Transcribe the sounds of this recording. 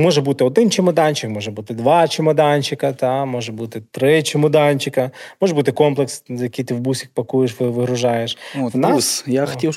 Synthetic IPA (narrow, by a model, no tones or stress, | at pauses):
mɔʒɛbut̪ɪɔd̪ɪnt͡ʃɪmɐd̪ɑnʲt͡ʃɪkmɔʒɛbut̪ɪd̪ʋɑt͡ʃɪmɐd̪ɑnʲt͡ʃɪkɐt̪ɑmɔʒɛbut̪ɪt̪ɾɪt͡ʃɪmɔd̪ɑnʲt͡ʃɪkɐmɔʒɛbut̪ɪkɔmplˠeksjɐkijt̪ɪwbusʲikpɐkujeʃʋɪʋɪɦɾʊʒɑjeʃʋnɑsjaxɐ̥tʲiw